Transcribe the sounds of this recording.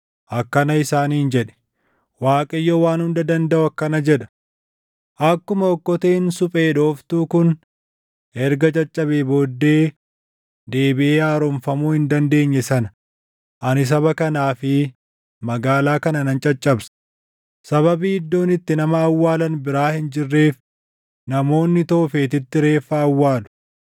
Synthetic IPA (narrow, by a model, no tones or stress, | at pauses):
ʔɐkːɐnɐɪsaːniːnd͡ʒɛᶑɛ̥ | waːkʼɐjːoːwaːnhʊnd̪ɐd̪ɐnd̪ɐʔʊɐkːɐnɐd͡ʒɛᶑɐ̥ | ʔɐkːʊmɐɔkːɔt̪eːnsʊpʼe̞ːd̪o̞ːft̪uːkʊn | ɛɾɡɐt͡ʃʼɐt͡ʃʼːɐbeːbo̞ːd̪ːe̞ː | d̪eːbɪʔeːaːɾɔmfɐmuːhɪnd̪ɐnd̪e̞ːɲːɛsɐnɐ̥ | ʔɐnɪs̬ɐbɐkɐnaːfɪ | mɐɡaːlaːkɐnɐnɐnt͡ʃʼɐt͡ʃʼːɐbs | sɐβɐbiːɪd̪ːo̞ːnɪt̪ːɪnɐmɐːwːaːlɐnbɪɾaːhɪnd͡ʒɪrːe̞ːf | nɐmo̞ːnːɪt̪oːfe̞ːt̪ɪt̪ːɪɾe̞ːfːɐːwːaːlʊ̥